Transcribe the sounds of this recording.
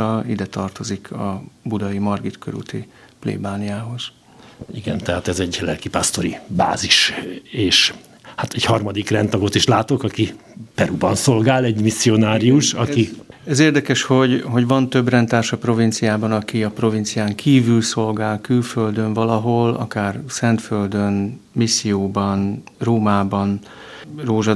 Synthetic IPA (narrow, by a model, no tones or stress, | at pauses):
ɒid̪ɛt̪ɒrt̪o̞zikʰɒbud̪ɒimɒrɡit̪køɾṵt̪i | plḛːbaːnijaːɦo̞z̥ | iɡɛ̰nt̪ɛɦaːt̪ɛzɛɟlɛ̰lkipaːst̪o̞ɾiba̰ːziʃeːʃ | hat̪ɛɟhɒrmɒd̪ikrɛnt̪ɒɡo̞t̪iʃlaːt̪o̞kɒkipɛɾubɒnso̞lɡaːlɛɟmisːio̞naːɾiuʃɒkiɛzeːrd̪ɛkɛʃho̞ɟɦo̞ɟvɒnt̪ø̞brɛnt̪aːrʃɒpro̞vint̪sijaːbɒnɒkiɒpro̞vint̪sijaːŋkʰiːvylso̞lɡaːlkylføld̪øɱvɒlɒɦo̞lɒ̰kaːrsɛnt̪føld̪øn | misːijoːbɒn | roːmaːbɒn | roːʒɒ